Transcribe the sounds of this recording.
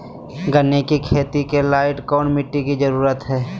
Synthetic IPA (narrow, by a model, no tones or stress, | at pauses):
ɡənːekikʰeːt̪ikelaːɪʈkɔːnmɪʈːikid͡ʒəɾuːɾət̪ɦɛː